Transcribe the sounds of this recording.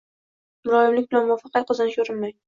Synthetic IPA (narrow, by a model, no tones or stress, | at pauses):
mʊɾɒɪmlɪkʲbɪlanmʊɒfɑqʰɑt̪qʰɨzɨnɪʃɵɾɪnmaj